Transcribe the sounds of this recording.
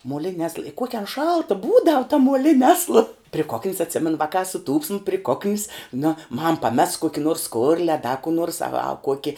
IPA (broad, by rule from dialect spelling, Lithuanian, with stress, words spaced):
muɔˈlʲɪnʲɪ ɐslˠ ɪ ˈkuɔkʲɪ ɐn ˈʃɐlˠtɐ ˈbuːdɐw tɐ muɔˈlʲɪnʲɪ ˈɑːslˠɐ pʲrʲɪ koːkʲnʲs ɐtʲˈsʲɪmʲɛnʊ ˈʋɑːkɑː sʊˈtuːpʲsʲɪm pʲrʲɪ ˈkoːkʲnʲs nʊ mɐm pɐˈmʲɛs ˈkuɔkʲɪ noːrs ˈskoːrʲlʲɪ ɐ dɐ kuː nuɔrs ɐ ʋɐ ˈkuɔkʲɪ